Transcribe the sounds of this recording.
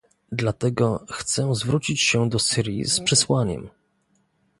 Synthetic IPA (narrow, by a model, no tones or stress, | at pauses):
d̪lat̪ɛɡɔxt̪sɛzvɾut͡ɕit͡ɕɕɛd̪ɔsɘɾʲjḭspʂɛswaɲɛ̰m